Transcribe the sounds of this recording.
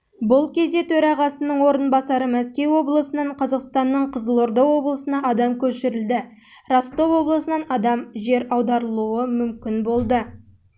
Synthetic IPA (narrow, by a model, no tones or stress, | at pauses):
bʊlˠkʲʰe̞zd̪et̪ʰɵɾɑʁɑsənəɴwo̞ɾənbɑsɑɾəmæskʲe̞wo̞blˠəsənɑɴqʰɑzɑqst̪ɑnːəɴqʰəzəlˠo̞ɾd̪ɑwo̞blˠəsənɑɑd̪ɑmkʲʰɵʃɪɾɪld̪ɪ | rost̪o̞wo̞blˠəsənɑnɑd̪ɑmʒe̞ɾɑwd̪ɑɾəlˠuəmʏmkʲɪnbo̞lˠd̪ə